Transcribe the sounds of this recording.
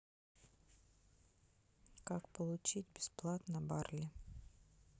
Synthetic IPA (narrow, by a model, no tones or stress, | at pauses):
kakpəlˠʊt͡ɕitʲbʲɪsplˠat̪nəbarlʲɪ